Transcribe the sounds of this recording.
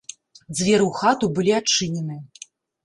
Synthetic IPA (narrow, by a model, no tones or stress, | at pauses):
d̪zʲvʲɛɾɨwxat̪ubɨlʲiat͡ʂːɨnʲɛnɨ